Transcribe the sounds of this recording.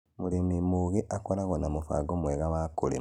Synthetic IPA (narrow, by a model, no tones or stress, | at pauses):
muɾimimuɣiʔakoɾaɣonamufa̰ɡomweɣaβakulḭ